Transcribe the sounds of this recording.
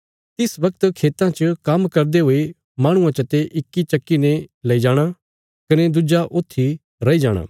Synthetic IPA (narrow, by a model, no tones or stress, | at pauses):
t̪ɪsbɐk̚t̪kʰeːt̪ãt͡ʃəkɐmkɐɾd̪eɦoːe | maːɽ̃ʊ̃ãt͡ʃɐt̪eʔɪkːit͡ʃɐkːinẽlɐid͡ʒaːɽ̃a | kɐned̪ʊd͡ʒaʔoːt̪ʰːi | ɾɐid͡ʒaːɽ̃a̰ː